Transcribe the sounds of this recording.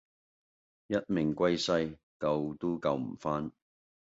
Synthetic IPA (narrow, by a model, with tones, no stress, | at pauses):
jɐ˥t̚mɪ˨˩ŋkʷɐ˥jsɐ˥j | kɐ˧wt̪o˥kɐ˧wm̩˨˩faː˥n